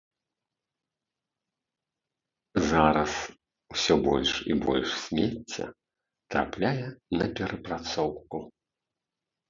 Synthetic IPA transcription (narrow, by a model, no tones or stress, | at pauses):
zaɾɐs | wsʲɔbɔlʲʂḭbɔ̰lʲʂsʲmʲet͡sʲːɐ̰ | t̪ɾa̰plʲajɛnɐpʲɛɾʔɐpɾat̪sɔwku